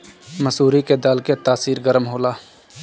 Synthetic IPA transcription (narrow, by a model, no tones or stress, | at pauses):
məsuːɾiked̪aːlket̪aːsiːɾɡəɾmɦoːlaː